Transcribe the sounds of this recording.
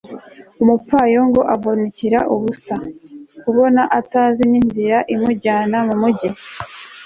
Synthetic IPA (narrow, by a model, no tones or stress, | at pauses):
umupaːjo̞ŋɡo̞ʔaβo̞neciɾaʔuβusakuβo̞naʔataːzininziɾaʔimuɟaːnamumuɟi